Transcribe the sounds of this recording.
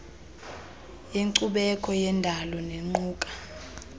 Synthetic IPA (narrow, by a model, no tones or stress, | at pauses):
jeŋǀuɓɛkʼʰɔjɛndʱalɔneŋ͡ǃuːkʼḁ